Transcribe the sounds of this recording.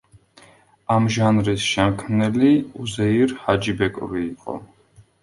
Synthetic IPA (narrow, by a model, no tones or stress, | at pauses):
amʒanɾisʃɛmkʰmnɛliuzɛiɾhad͡ʒibɛkʼuɾiːqʼɔ̰